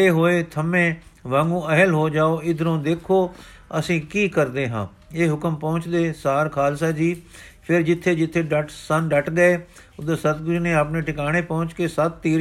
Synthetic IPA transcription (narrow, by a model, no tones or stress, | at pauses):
eːɦoːeːt̪ʰəmẽːʋãːŋɡũːəɦəlɦoːd͡ʒaːoːɪd̪ɾõːd̪eːkʰoː | əsĩːkiːkəɾd̪eːɦã̰ː | eːɦʊkəmpɐ̃ːʊ̃t͡ʃd̪eːsaːɾkʰaːlsaːd͡ʒiːpʰɪɾd͡ʒɪt̪ʰːeːd͡ʒɪt̪ʰːeːɖəʈsə̃nɖəʈɡəeː | ʊd̪eːsət̪ɡʊd͡ʒnẽːaːpnẽʈɪkaːɽ̃eːpɐɦʊ̃t͡ʃkeːsət̪ːiːɾ